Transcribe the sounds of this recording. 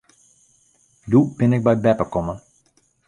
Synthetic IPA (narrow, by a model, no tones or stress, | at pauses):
dub̥ɪnɪk̚bɛjbɛpəkɔmən